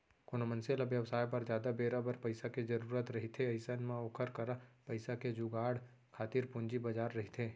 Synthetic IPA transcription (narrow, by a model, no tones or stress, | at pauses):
konomə̃nselaʋjɐwsaːjpɐɾd͡ʒjaːd̪abeːɾabəɾpɐɪsaked͡ʒɐɾuːɾət̪ɾɐɦit̪ʰeɐɪsənmẽoːkʰəɾkəɾapɐɪsaked͡ʒuɡaːɽ | kʰaːt̪ɪɾpʊ̃nd͡ʒibɐd͡ʒaːɾːɐɦit̪ʰeː